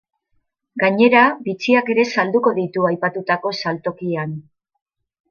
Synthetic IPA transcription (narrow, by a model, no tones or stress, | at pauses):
ɡaɲe̞ɾabit͡siake̞ɾe̞sald̪uko̞ðit̪uajpat̪ut̪ako̞salt̪o̞kian